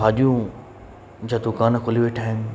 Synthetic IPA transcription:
aːɗijũ | d͡ʑaːd̪ʊkaːnkʰoliʋeʈʰaːɪm

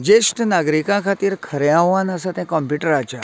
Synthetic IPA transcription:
d͡ʒesʈnaɡɾikãkʰat̪iɾkʰəɾeaʋanasat̪ʰẽkɔmpjuʈəɾat͡ʃʰa

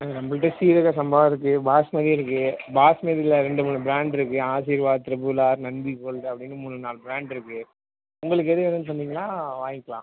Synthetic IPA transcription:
ɾɐmbɐlʈːɐsiːɾɯkːasɐmbaːʋɪɾɯkːɯbaːsmɐðiɪɾɯkːɯbaːsmeːðɪlɐɾɛɳɖɯmuːnːɯbɪɾaːɳɖɪɾɯkːɯaːsiːɾʋaːðt̪ɾɐbɯlaːɾnɐnbikoːlɖɐpːɐɽɪnːɯmuːɳːɯnaːlbɪɾaːɳɖɪɾɯkːɯ | ʊŋɡɐɭɯk̬ːɛðɯʋɛnɐnp̬ɐnd̪iːŋɡɐnaːʋaːŋɪkːɐɭã̰ː

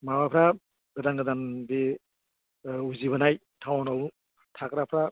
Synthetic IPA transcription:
mawapʰɾa | ɡɯdanɡɯdanbi | uziβanaj | tʰawɔnaw | tʰakɾapʰɾa

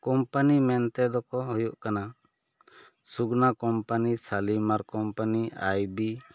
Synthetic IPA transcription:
kɔmpanimɛnt̪ɛd̪ɔkɔɦujuʔkana | suɡnakɔmpanisalimaɾkɔmpaniajbi

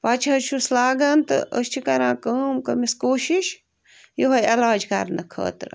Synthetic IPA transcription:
pɐt͡ʃʰɐʃʰuslaːɡɐnt̪ɨʔə̰st͡ʃʰikɐɾãːkəːmkɐmiskoːʃiʃ | jiɦɐjelaːd͡ʒkɐ̰ɾnɐkʰɐ̰ːt̪ɾ

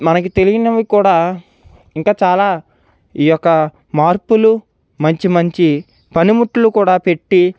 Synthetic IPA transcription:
mɐnɐkit̪e̞liɡinɐʋikuːɽaː | iŋkaːt͡ʃaːlaː | iːjɔkːɐ | maːɾpulu | mɐɲt͡ʃimɐɲt͡ʃi | pɐnimuʈːulukuːɽaːpe̞ʈːi

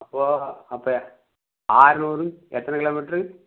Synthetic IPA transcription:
ɐpːoːɐpːoː | aːɾnuːɾɯmɛt̪ːɐnɐkɪloːmɪʈrɯ

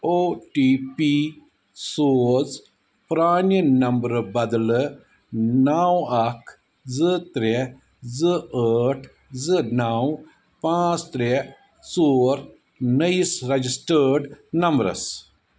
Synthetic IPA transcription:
oːʈiːpi | soːz | pɾaːnnɐmbɾbɐd̪l | naːwɐkʰ | zɨt̪ɾɛ | zɨəːʈʰ | zɨnaːw | pãːt͡st̪ɾe | soːɾ | nɐjsɾɐd͡ʒisʈəːɖnɐmbɾɐ̰s

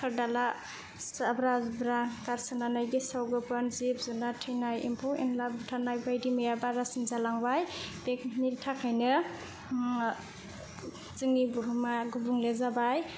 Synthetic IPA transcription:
kʰaɾdala | sabɾazbɾakaɾsananajɡesawɡɯpʰɯnzip̚zunatʰɯjnajḭmpʰuenlabutʰanajbajdimɯjabaɾasinzalaŋbajb̥ekniɾtʰakʰajnɯ | zɯŋibuɦumaɡubuŋlezabaj

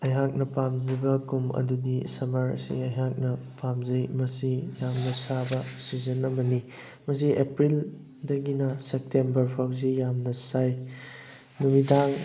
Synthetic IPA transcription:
ɐjɦak̚nɐpamzibɐkumɐ̰dudisɐmɐɾɐ̰sḭɐjɦak̚nɐpamzɐjmɐsijamnɐsabɐsizɐnɐmɐni | mɐsiepɾil | dɐɡinɐsep̚tembɐɾpʰawzijamnɐsaj | numidaŋ

